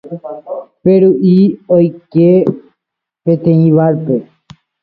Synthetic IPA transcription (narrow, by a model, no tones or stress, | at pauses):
peɾuʔiojke | pet̪eĩβaɾpe